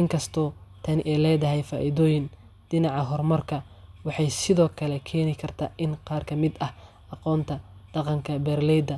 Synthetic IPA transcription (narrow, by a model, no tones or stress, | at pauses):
ɪŋkʰɐst̪ʰɔːt̪ʰɐnʔɛlɛːðɐɦɛjfaːʔɪðɔːjɪn | d̪̥ɪnɑʕɑɦɔrmɐrkʰɐ | wɑħɑjsɪðɔːkʰɐlɛkʰɛːnɪkʰɐrt̪ʰaːʔɪnqɑːrkʰɐmɪd̪ɐh | ʔɑqɔːnt̪ʰɐd̪̥ɑqɑŋkʰɐbɛːrlɛjd̪ɐ